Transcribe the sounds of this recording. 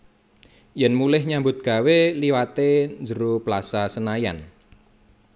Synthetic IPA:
jɛnmulɪhɲambʊt̪̚ɡ̥a̤weliwat̪end͡ʒəɾuplasasənaja̰n

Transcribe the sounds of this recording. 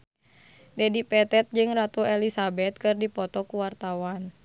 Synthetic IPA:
dɛdipɛt̪ɛt̪̚d͡ʒɨŋrat̪uɛlisabɛt̪̚kɨrdipɔt̪ɔkuwart̪awan

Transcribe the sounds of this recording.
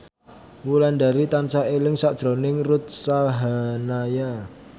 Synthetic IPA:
mulandaɾit̪ant͡ʃaelɪŋsad̥ʒ̥ɾonɪŋrut̪̚saɦanaja

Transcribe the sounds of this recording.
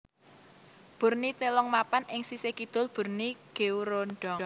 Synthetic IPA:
b̥ṳrnit̪elɔŋmapanɪŋsisekid̪̥ʊ̤lb̥ṳrniɡ̥euɾonɖ̥ɔ

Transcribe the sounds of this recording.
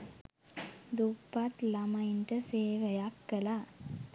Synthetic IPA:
d̪upːat̪lɐmɐjnʈɐseːʋɐjakːɐla

